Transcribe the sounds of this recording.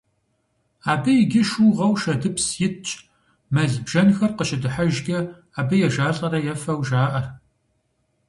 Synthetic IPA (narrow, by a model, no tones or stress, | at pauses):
aːbɨjɪɡʲɪʃuʁɐwʃɐdɨpsjɪtt͡ʃʼ | mɐɮbʒɐnxɐrqəʃɪdɨħaʒɡʲɐ | aːbɨjɛʒaːɬʼɐɾɐjɛfɐwʒaːʔɐr